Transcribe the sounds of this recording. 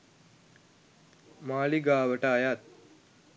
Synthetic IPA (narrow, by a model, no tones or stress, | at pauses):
maːliɡaːʋəʈɐːjat̪̚